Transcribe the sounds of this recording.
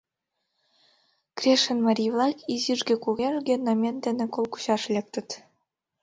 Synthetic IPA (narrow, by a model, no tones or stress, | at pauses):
krʲeʃə̆nmɑɾʲijvlˠɑkiziʒɡʲĕkuɣeʐɡʲenɑmʲend̪enĕkolˠku̥ɕɑʃlʲek̚t̪ə̆t̪